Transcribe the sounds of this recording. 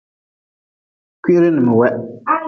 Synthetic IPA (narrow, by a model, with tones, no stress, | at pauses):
kʷi˦ɾɪ˦nɨ˨mɨ˨wɛ˦